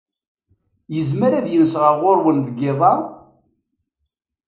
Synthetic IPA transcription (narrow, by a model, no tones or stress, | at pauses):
jəzməɾaðjənsʁəʁoɾwənðəɡɪðˤɑɾˤ